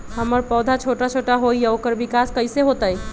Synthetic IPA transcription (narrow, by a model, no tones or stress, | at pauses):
ɦəməɾpɔːd̪ʱat͡ʃʰoʈat͡ʃʰoʈaɦoijaokəɾbikaskəɪseɦot̪əj